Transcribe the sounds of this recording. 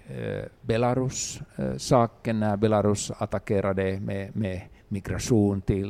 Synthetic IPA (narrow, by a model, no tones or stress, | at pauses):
belɑrussɑːkːenːɑɑbelɑrusɑt̪ɑkeɾʔɑdemememikrɑsuːnt̪i